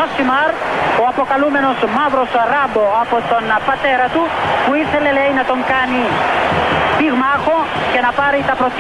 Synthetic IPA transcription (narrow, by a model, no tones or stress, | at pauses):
osimaɾ | oapokalumenosmaβɾosaɾaboapot̪onapat̪eɾat̪upwiselelejnat̪oŋkani | piɣmaxokenapaɾejt̪apɾot̪